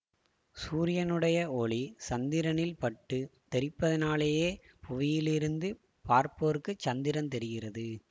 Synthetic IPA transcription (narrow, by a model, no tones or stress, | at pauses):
suːɾɪjɐnɯɽɐjɐoːɭisɐnd̪ɪɾɐnɪlpɐʈːɯt̪ɛɾɪpːɐðɐnaːleːjeː | pʊʋɪjɪlɪɾɯnd̪ɯ | paːɾpoːɾɯkːɯt͡ʃːɐnd̪ɪɾɐnt̪ɛɾɪɣɪrɐðɯ